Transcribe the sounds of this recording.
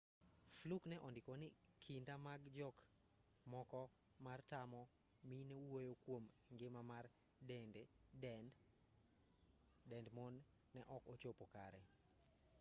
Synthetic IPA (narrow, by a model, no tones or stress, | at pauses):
fluknɛʔɔndɪkonɪ | kʰindamaɡd͡ʒɔk | mɔkɔ | martamɔ | minewojokwom | ŋɡɪmamar | dɛnde | n | dɛndmonː | ɛʔɔkot͡ʃopoka̰ɾɛ